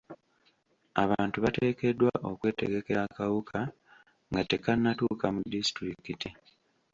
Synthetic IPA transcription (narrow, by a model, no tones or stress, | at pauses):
a̰βaːntuβate̞ːke̞dːwaʔo̞kwe̞ːte̞̰ɡe̞ke̞ɾakawukʰa | ŋɡate̞kanːatuːkamudistɾikiti